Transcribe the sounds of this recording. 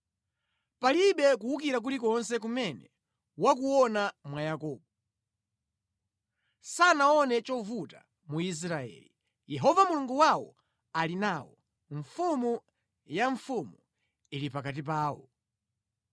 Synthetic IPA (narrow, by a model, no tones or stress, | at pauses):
paliɓɛkuukiɾak̬ulikɔnsɛk̬umɛnɛ | wak̬uwɔnamwajakɔːɓɔ | sanaɔnɛt͡ʃɔvuta̰ | muis̬ɾaɛ̰ːli | jɛɦɔvamuluŋɡuwawɔ̰ | alinaːwɔ | ɱfumu | jaɱfumu | ilipakat̬ip̬aːwɔ̰